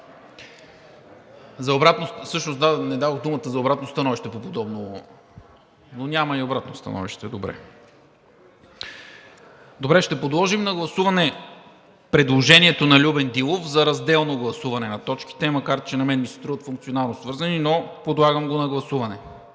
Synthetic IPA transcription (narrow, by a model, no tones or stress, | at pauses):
zɐobɾat̪nosɤʃnosd̪anɛd̪avoxd̪umət̪əzɐobɾat̪nost̪ɐnɔviʃt̪ɛpopod̪ɔbno | nonʲamɐiobɾat̪nost̪ɐ̰nɔ̰vḭʃt̪ɛd̪obɾɛ̰ | d̪obɾɛʃt̪ɛpod̪lˠɔʒimnɐɡlˠɐsuvɐnɛ | pɾɛd̪lˠoʒɛniɛt̪onɐlʲubɛnd̪ilˠofzɐɾɐzd̪ɛlˠnoɡlˠɐsuvɐnɛnɐt̪ɔt͡ʃk̟i̥t̪ɛmɐkaɾt̪t͡ʃɛnɐmɛnmisɛ̥t̪ɾuvət̪fuŋk̚t̪sionalˠnosvɤɾzɐninopod̪lˠaɡəmɡonɐɡlˠɐsuvɐnɛ